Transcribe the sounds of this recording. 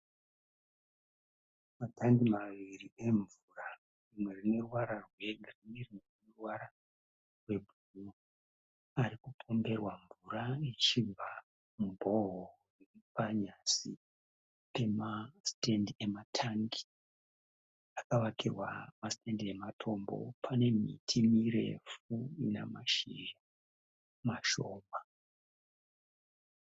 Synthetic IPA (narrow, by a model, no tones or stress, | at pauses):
matʰaŋɡimaʋirie̞ɱvura | rimwe̞rine̞ruwaɾarwe̞ɡrinirimwerinurwaɾa | rwe̞bʱuno | aɾikupʰo̞mbe̞rwaɱvuɾait͡ʃibʱa | mubʱo̞ɦo | riripaɲasi | pe̞mastendie̞matʰaŋɡi̥ | akaʋakirwa̰mastendie̞matʰo̞mbo̞̰pʰane̞mḭtʰimiɾe̞̰fuinḛmaʃḭra | maʃo̞ːma